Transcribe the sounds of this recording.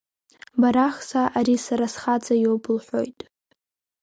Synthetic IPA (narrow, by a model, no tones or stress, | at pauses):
baɾaχsaʔaɾisaɾasχad͡zajowbɨlħʷo̞̰jtʼ